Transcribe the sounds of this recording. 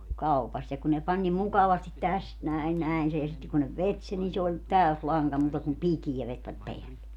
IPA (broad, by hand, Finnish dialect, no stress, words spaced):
kɑupɑst jɑ ku ne pɑnʲ nim mukɑʋɑstit tæst næin næin sej jɑ sitːe kun ne ʋet sen ni se olʲ tæøs lɑŋkɑ muːtɑ kum pikijæ ʋetʋæt peælːe